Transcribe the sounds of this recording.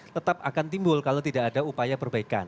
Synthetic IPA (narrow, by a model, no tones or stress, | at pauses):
t̪ət̪ap̚akant̪imbʊlkalat̪idaʔadaupajapərbaika̰n